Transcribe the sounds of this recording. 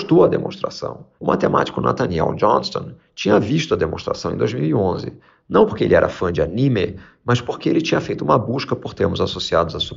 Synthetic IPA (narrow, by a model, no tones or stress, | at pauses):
ʃt̪oɐd̪emõ̰ʃt̪ɾa̰sɐ̰̃w̃ʊmʔat̪ema̰t͡ʃi̥kʊna̰t̪ɐniɛ̰wd͡ʒɔ̃nst̪õ̰ | t͡ʃĩɲɐviʃt̪ʊɐd̪emõst̪ɾasɐ̃w̃ẽd̪o̰jzmiwiõzɪ̰ | nɐ̃w̃poɾkeḛlɪɛ̰ɾɐ̰fɐ̃d͡ʒɪanĩmɪ | mɐspoɾkeelɪt͡ʃĩɲɐfejt̪ʊũmɐbuʃkɐpoɾt̪eɾmʊzasosiad̪ʊzɐsu